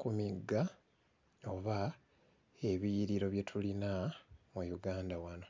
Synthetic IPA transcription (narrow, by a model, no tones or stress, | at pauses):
kumiɡːa | o̞βa | e̞βijiɾiɾo̞βje̞tʰulinamujuɡaːndawano̞